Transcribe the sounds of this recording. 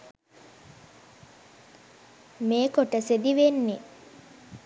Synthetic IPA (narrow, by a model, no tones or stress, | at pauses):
meːkoʈəsed̪iʋenːe